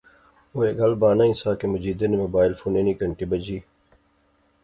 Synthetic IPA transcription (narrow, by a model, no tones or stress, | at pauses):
oːeɡɐlbaːnaːisaːkemʊd͡ʒiːd̪enemoːbaːɪlfuːneːnikɐɳʈibɐd͡ʒiː